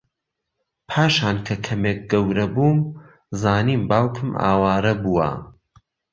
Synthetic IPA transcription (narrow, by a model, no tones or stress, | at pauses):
pʰaːʃaːnkʰɐkʰɐmeːk̚ɡɐwɾɐbuːm | zaːniːmbaːwkʰɨma̰ːwaːɾɐbuwɐ̰